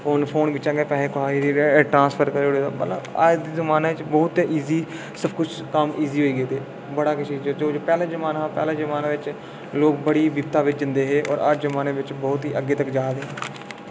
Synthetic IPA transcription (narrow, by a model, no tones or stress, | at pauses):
pʰoːnpʰoːnbɪt͡ʃãːɡeːpɛːleːkʊɦaːiːɾiːʈɾãːnspʰəɾkəɾeːɽeːd̪a̰ːmə̰ləa̰d̪iːzəmaːnaːʋɪt͡ʃbɔːt̪ːeʔiːziː | səbkʊt͡ʃʰkəmiːziːɦoːiːɡeːt̪eː | bəɽaːkʊt͡ʃiːd͡ʒoːd͡ʒoːd͡ʒpɛːlãːzəmaːnapɛ̰ːlãːzəmaːnaːʋɪt͡ʃ | loːkbəɽiːbibt̪aːʋɪt͡ʃd͡ʒ̪ɪ̃nd̪eːɦeːʔɔːɾʔa̰d͡ʒzəmaːneːʋɪt͡ʃbɔːt̪ɦiːʔəɡːeːt̪əkd͡ʒaːd̪eːɦɛ̃ː